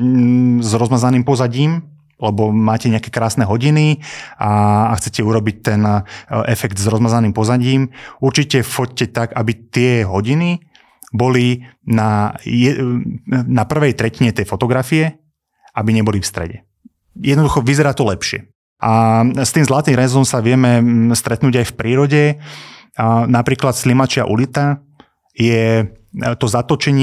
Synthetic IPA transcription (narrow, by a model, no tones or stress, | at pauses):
zɾɔzmazaniːmpɔzaɟiːm | lɛbɔmaːcɛɲɛakɛkɾaːsnɛɦɔɟiniaaxt͡sɛcɛuɾɔbic̚t̪ɛnʔɛfɛɡt̪zɾɔzmazaniːmpɔzaɟiːmuɾt͡ʃicɛfɔc̚cɛt̪aɡabit̪ɪɛɦɔɟini | bɔlinajɛ | napr̩ʋɛjt̪ɾɛciɲɛt̪ɛjfɔt̪ɔɡɾafiɛ | ʔabiɲɛbɔlifst̪ɾɛ̰ɟɛ | jɛd̪nɔd̪uxɔʋizɛɾaːt̪ɔlɛpʃɪɛ̰ | ʔast̪iːmzlaːt̪niɾɛzɔmsaʋɪɛmɛst̪ɾɛt̪nuːɟajfpɾiːɾɔɟɛ | napɾiːklat̪slimat͡ʃɪa̰ʔṵlit̪a | jɛ | t̪ɔzat̪ɔt͡ʃɛɲɪ